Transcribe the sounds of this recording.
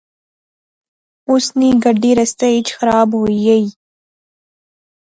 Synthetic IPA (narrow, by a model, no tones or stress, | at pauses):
ʊsniɡɐɖːiɾɐst̪eɪt͡ʃxɐɾaːbɦoiɐiː